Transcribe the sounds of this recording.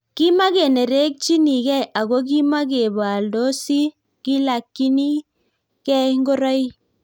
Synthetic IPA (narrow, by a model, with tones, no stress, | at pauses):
ki˦ma˦ɡe˨ne˨ɾe˦k̚t͡ʃi˦ni˨ɡɛ˦˨jʔa˨ɡo˦k̬i˦ma˦ɡ̬e˨ba˨ldo˦si˦ | ki˦la˨kːi˦ni˦ | kɛ˦ŋɡo˦ɾɔ˦j